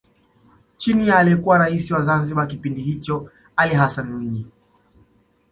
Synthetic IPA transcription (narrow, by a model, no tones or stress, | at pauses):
t͡ʃinialiɛkuwaɾaisiwazanziɓakipindihit͡ʃɔ | aliɦasanuɲi